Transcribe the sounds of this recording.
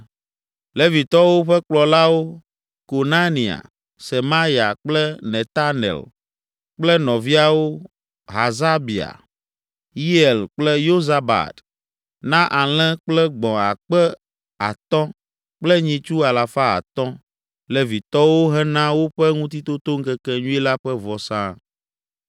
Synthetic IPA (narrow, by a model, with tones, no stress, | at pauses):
le˦vi˨t̪ɔ˦wo˦ɸɛ˦k͡plɔ˨la˦wo˦ | ko˨na˦nĩ˨a̰˨ | se˨ma˦ɾi˨a̰˨k͡plɛ˦nɛ˨t̪a˦nɛ̰˨l | k͡plɛ˦nɔ̃˨vi˦a˨wo˦ | ɦa˨za˦bi˨a̰˨ | ji˦e˨lk͡plɛ˦jo˦za˨ba̰˨t̪ | nã˦ʔa˨l̃ɛ̃˦k͡plɛ˦ɡ͡bɔ̃˨a̰˨k͡pɛ˦ | a̰˨t̪ɔ̃˦ | k͡plɛ˦ɲĩ˨t͡ʃu˦a˨la˨fa˦a̰˨t̪ɔ̃˦ | lɛ˨vi˨t̪ɔ˦wo˦ɦɛ˦nã˦wo˦ɸɛ˦ŋũ˦t̪i˦t̪o˦t̪o˦ŋ̩˦kɛ˦kɛ˦ɲũ˦i˦la˦ɸɛ˦vɔ˨sã˦